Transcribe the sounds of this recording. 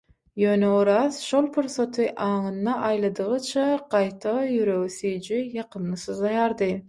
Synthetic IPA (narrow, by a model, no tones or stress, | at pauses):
jø̞ːneoɾɑzʃo̞lˠpʰuɾsot̪ʰɯʔɑːŋɯnːɑʔɑjlˠɑd̪ɯʁɯt͡ʃʰɑqɑjt̪ʰɑjyɾø̞ɣsyjd͡ʒijɑqʰɯmlˠɯsɯzɑjɑɾd̪ɯ